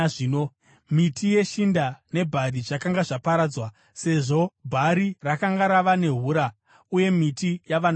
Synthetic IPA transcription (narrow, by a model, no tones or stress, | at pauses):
ino | mitʰije̞ʃindane̞bʱaɾit͡ʂakaŋɡaʐapaɾaːd͡zwa | se̞ʐo̞bʱaɾirakaŋɡaɾaʋane̞ɦuɾa | uje̞mitijaʋan